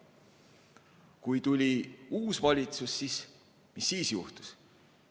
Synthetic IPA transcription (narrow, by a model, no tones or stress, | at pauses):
kujt̪ulʲiuːsvɑlʲit̪susːis | misːiːsjuht̪u̥s